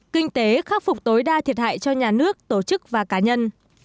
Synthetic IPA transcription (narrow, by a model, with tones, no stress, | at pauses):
kï˧ŋ̟t̪e˨˦xaː˦˥k̚fʊ˨˩k͡p̚t̪o˨˦jɗaː˧t̪ʰi˨˩ət̚ha̰ː˧˨jt͡ɕɔ˧ɲaː˨˩nɨ˦˥ək̚t̪o˧˩t͡ɕɨ˦˥k̚vaː˨˩kaː˨˦ɲə˧n